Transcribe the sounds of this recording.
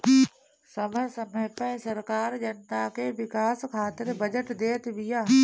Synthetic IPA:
səməsɐməjpəɦsɐɾkaːɾd͡ʒənt̪akeʋɪkaːskʰaːt̪ɪɾbɐd͡ʒəʈd̪eːt̪bɪjaː

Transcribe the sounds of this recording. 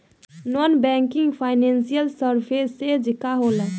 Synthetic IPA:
nɔnbɛŋkiŋɡpʰaɪnɛnsijəlsəɾbʰeːed͡ʒʱikaɦolə

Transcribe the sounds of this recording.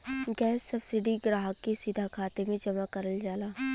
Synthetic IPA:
ɡɛːsːɐbsɪɖiɡɾaːɦəkːisid̪ʱakʰaːt̪emẽd͡ʒɐmakɐɾəld͡ʒaːlaː

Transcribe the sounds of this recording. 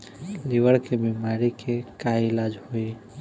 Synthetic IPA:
liʋəɾkebimaɾikʰekailad͡ʒʱhoi

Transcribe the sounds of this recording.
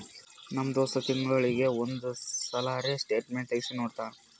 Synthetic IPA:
nɐmːɐd̪oːsɐt̪iŋɐɡɐɭiɡe̞ond̪usɐlaːɾesʈe̞ːʈmeɳʈ̪ekʂɐnːoːɖt̪aːn

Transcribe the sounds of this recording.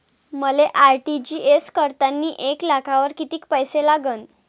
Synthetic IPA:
məleʔaɾʈid͡ʑiːeskəɾt̪anːiːʔeklakʰaʋəɾkit̪iːkpəjselaɡən

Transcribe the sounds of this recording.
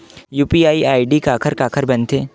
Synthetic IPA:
juːpiaːiaːiɖikaːkʰəɾkaːkʰəɾbɐnt̪ʰeː

